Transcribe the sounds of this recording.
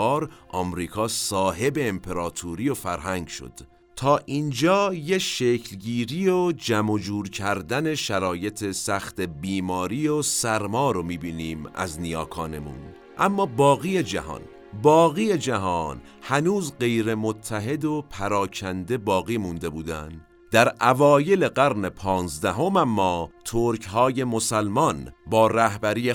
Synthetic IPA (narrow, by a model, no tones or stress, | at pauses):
ɾʔɒːmɾiːkʰɒːsɒːɦe̞be̞ːmpʰe̞ɾɒːt̪ʰuːɾijofæɾɦæŋɡʃo̰d̪̥ | t̪ʰɒːʔind͡ʒɒːjeʃecʰlɡiːɾiod͡ʒæmo̞d͡ʒuːɾcʰæɾd̪æne̞ʃæɾɒːje̞t̪ʰe̞sæxt̪ebiːmɒːɾiːosæɾmɒːɾomiːbiːniːmæ̰znijɒːkʰɒːne̞mṵn | ʔæmːɒːbɒːɣiːje̞d͡ʒæ̰ɦɒ̰ːn | bɒːɣiːje̞d͡ʒæɦɒːn | hænuːzɢe̞jɾe̞mot̪ʰːæɦe̞d̪opʰæɾɒːcʰænd̪e̞bɒːɣiːmund̪e̞buːd̪æ̰n | d̪̥æɾʔævɒːje̞le̞ɡæɾne̞pʰɒːnzd̪æɦo̞mæmːɒːt̪ʰoɾkhɒːje̞mo̞sælmɒnbɒːɾæhbæɾiːje